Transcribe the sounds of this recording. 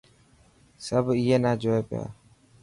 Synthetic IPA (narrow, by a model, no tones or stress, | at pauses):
səbiɦeːnaːd͡ʒoːeːpɪja̰ː